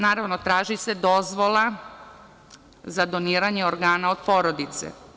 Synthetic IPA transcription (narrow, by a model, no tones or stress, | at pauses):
naːɾaʋnot̪ɾaːʒised̪o̞zʋo̞lˠa | zad̪o̞niːɾaɲeoɾɡaːnao̞d̪po̞ːɾod̪it̪sḛ